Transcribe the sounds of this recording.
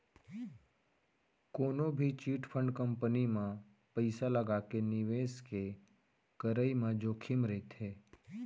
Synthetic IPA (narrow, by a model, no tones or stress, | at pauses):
koːnõbʱit͡ʃiːʈpʰə̃ɳɖkə̃mpənimã | pəɪsaləɡaːkenɪʋeːske | kəɾəimãd͡ʒoːkʰɪmɾɛt̪ɦeː